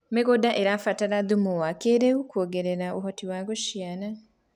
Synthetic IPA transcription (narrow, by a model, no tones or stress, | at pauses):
meɣodaʔeɾafataɾaðumuwakeɾeukoːɡeɾeɾauɦotiwaɣoʃjana